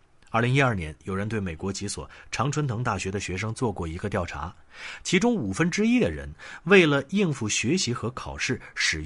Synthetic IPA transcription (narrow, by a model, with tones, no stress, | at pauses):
ɐ˥˩li˧˥ŋi˥ɐ˞˥˩njɛ˧˥njo˨˩ʊɻə˧˥nt̪we˥˩ɪme˨˩ɪkwɔ˧˥t͡ɕi˧˥swɔ̰˨˩ʈ͡ʂʰɑ˧˥ŋʈ͡ʂʰwə˥nt̪ʰɤ˧˥ŋt̪a˥˩ɕɥɛ˧˥d̪ə˧˩ɕɥɛ˧˥ʂ̬ɤ˥ŋt͡swɔ˥˧kwɔ˥˩i˧˥ɡə˧t̪jɑ˥˩ʊʈ͡ʂʰa̰˧˥ | t͡ɕʰi˧˥ʈ͡ʂʊ˥ŋu˨˩fə˥nʈ͡ʂɻ̩˥i˥d̪ə˨ɻə̰˧˥nwe˥˩ɪlə˩i˥˧ŋfu˥˩ɕɥɛ˧˥ɕi˧˥xɤ˧˥kʰɑ˨˩ʊʂɻ̩˥˩ʂɻ̩˨˩